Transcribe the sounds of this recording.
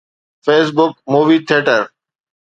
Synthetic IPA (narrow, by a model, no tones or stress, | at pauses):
feːs̬bʊk̚muːʋiːt̪ʰɪeːʈəɾ